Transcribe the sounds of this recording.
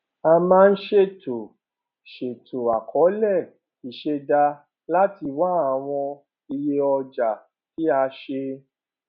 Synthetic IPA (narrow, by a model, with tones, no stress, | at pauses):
a˧mãː˦˧n̩˦ʃe˦˨to˨ | ʃe˨tʰo˨a˨kʰɔ˨˦lɛ˦˨ | i˨ʃe˧da˧ | la˦ti˧wa˦a˨w̃ɔ̃˧ | i˧je˦ɔ˧d͡ʒa˨ | ki˨˦a˧ʃe˧